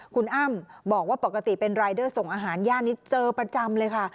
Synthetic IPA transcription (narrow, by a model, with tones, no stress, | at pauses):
kʰu˧nʔaː˥˩mbɔː˨˩k̚waː˥˩po˨˩kːa˧t̪i˨˩pe˧nɾaː˧jdɤː˥˩so˨˩ŋʔaː˧ɦaː˩˦njaː˥˩ni˦˥t͡ɕɤː˧pɾa˧t͡ɕa˧mlɤː˧jkʰa˥˩